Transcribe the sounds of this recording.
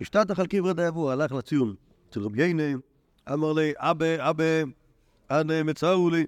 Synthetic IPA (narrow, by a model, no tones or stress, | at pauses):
iʃtataχalˠkimʁɛdajavualaχlat͡sijʊm | t͡sɪlʁəbjeɪnɪ | a̰maʁleɪʔabeabe | anemɪt͡sauli